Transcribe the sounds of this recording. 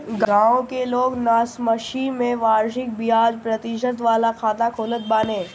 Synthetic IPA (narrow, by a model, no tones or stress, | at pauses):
ɡɡãːõkeloːɡnaːsməʃiːnmẽʋaːɾʃɪk̚bijaːd͡ʒpɾɐt̪ɪʃ̬ət̪̬ʋaːlakʰaːt̪akʰoːlət̪̚baːnẽː